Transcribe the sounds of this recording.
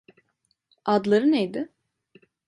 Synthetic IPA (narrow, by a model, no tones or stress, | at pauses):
ad̪lˠaɾɯnejd̪ɪ